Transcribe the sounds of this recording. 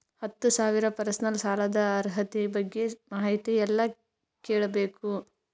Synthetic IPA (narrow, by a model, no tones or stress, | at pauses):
hɐt̪ːusaːʋiɾɐpɐɾɐsnɐlsaːlɐd̪ɐːɾɦɐt̪ibɐɡːe̞maːɦɐjt̪iɛlːɐ | keːɭɐbeːku